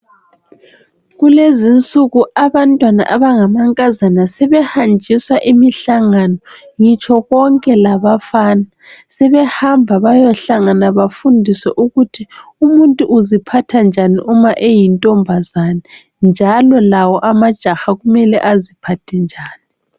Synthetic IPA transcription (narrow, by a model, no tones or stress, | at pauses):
ɣulezint͡sʼuɣuʔaβantʼwana̰ʔaβaŋamaŋkʼazanasɛβɛhand͡ʒʱiswaʔimiɬaŋanɔ | ŋit͡ʃʰʼɔɣɔŋkʼɛlaβafaːna | sɛβɛhambʱaβajɔɬaŋanaβafundʱiswɛ̰ʔuɣutʰiumuntʼuʔuzipʰatʰand͡ʒʱaniʔumaʔejintʼɔmbʱazana | nd͡ʒʱalɔlawɔʔamad̥ʒ̥ʱaxaɣumɛlɛ̰ʔazipʰatʰɛnd͡ʒʱaːni